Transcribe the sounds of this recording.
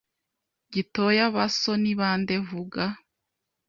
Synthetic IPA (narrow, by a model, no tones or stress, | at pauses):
ɟitojaβasoniβaːndevuɡa